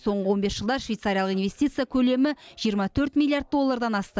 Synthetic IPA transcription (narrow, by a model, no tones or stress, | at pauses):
so̞ɴʁəwo̞nbe̞sʒəlˠd̪ɑɾʃvijt̪saɾʲijalˠəqinve̞st̪ijt̪sɨjakʲʰɵle̞mɪʒ̥ijəɾmɑt̪ʰɵɾt̪mʲilˠijard̪̚d̪o̞lˠːaɾd̪ɑnɑst̪ə